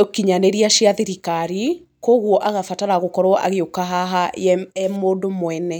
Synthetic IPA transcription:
okiɲaneɾiaʃiaðeɾikaɾi | koɣwɔʔaɣafataɾaɣokɔɾwɔʔa̰ɣeokaɦaɦajɛɛmoːdomwɛnɛ

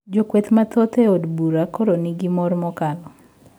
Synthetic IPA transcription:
d͡ʒokwet̪mat̪ɔt̪eodbuɾakoɾoniɡimɔrmɔkalɔ

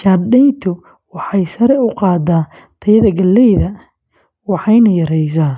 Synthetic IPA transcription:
ʃadɛjnt̪ʰʊ | wɑħɑjsɐɾɛʊqɑːd̪aː | t̪ʰɐjɐðɐɡɐlːɛjðɐ | wɑħɑjnɐjɐɾɛjs̬aː

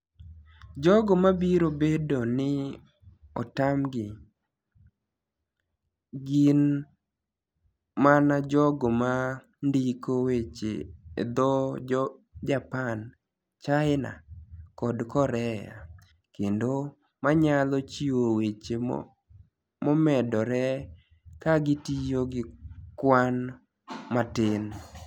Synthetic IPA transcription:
d͡ʒɔɡɔmabiɾobedonɪ | ɔ̰tamɡɪ | ɡin | manad͡ʒɔɡɔma | ndikowet͡ʃḛːd̪ɔ | d͡ʒapan | t͡ʃaɪna̰kɔdkɔɾɛja̰ | kendo | maɲalɔt͡ʃiowet͡ʃe | mɔmɛdɔɾɛ | kaɡɪtijoɡɪkwan | matɪn

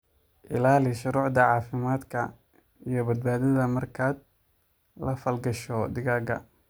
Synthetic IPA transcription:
ʔɪlaːlɪʃʊɾʊːʕd̪ɐʕɑːfɪmaːd̪kʰɐ | ijɞbɐd̪̚baːðɐðɐmɐrkʰaːd̪̚ | lɐfɐlɡɐʃɔd̪ɪɣaːɡɐ̰

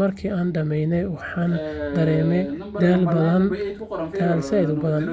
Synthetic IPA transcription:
mɐrkʰiːʔaːnɖɐmɛjnɛjwɑħɑːnd̪ɐɾɛːmɛd̪aːlbɐðɐnt̪ʰaːlɪsɛðʊbɐðɐn

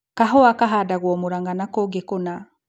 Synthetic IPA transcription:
kaɦɔakaɦadaɣwɔmoɾaŋɡanakoɡekona

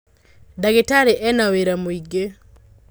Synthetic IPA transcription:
daɡetaɾeʔɛnaweɾamoiɡe

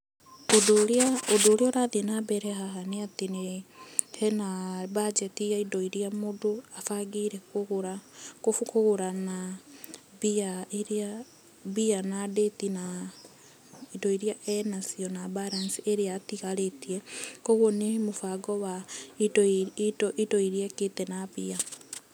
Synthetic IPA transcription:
odoɾeaodoːɾeɔɾaðinabɛɾɛɦaɦaneatene | hɛnabad͡ʒɛtijaidɔiɾiamodoafaɡiɾɛkoɣoɾakofukoɣoɾana | biaeɾa | bianadetina | idɔiɾiaʔɛnasiɔnabaɾansiʔeɾeatiɣaɾetiɛkoɣwɔnemofaɡɔwa | tɔʔitɔiɾiɛketɛnabia

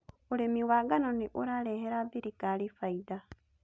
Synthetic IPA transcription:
olemiwaɡanoneʔoɾaleheɾaðiɾikalifaida

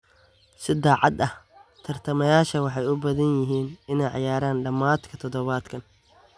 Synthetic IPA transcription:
sɪd̪aːʕɑd̪ɐht̪ʰɐrt̪ʰɐmɐjaːʃɐwɑħɑjʊbɐðɐnjɪɦiːnɪnɛjʕɑ̰jaːɾaːnɖɐmaːd̪kʰɐt̪ʰɔðɔβaːd̪kʰɐn

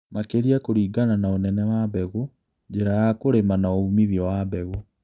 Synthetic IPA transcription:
makeɾiakoɾiːɡananaonɛnɛwabɛɣu | ɲd͡ʑeɾajakoɾemanaoumiðiɔwabɛɣu

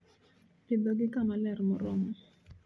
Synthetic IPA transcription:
pɪd̪ɔɡɪkamalɛrmɔɾɔmɔ

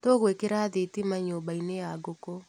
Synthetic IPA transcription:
toɣwekeɾaðetimaɲoːbaineaɡoko

